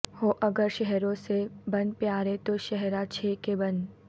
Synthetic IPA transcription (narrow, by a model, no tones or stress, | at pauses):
hoʔɐɡəɾʃɛɦɾõsebɐnpjaːɾet̪oʃɛɦɾat͡ʃʰeːkebɐn